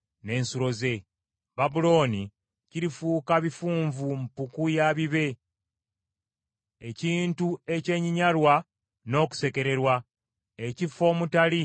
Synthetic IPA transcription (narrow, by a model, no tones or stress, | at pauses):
ne̞ːnsuɾo̞ze̞ | βabulo̞ːni | ciɾifuːkaβifuːɱvumpukujaβiβe̞ | eciːntue̞ce̞ːɲiɲalwa | no̞ːku̥se̞ke̞ɾe̞ɾwa | ecifo̞ːmutali